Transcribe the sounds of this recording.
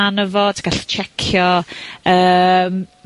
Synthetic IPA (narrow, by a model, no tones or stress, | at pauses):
anəvɔtʰi̥ɡaɬt͡ʃʰɛkʰjɔəːm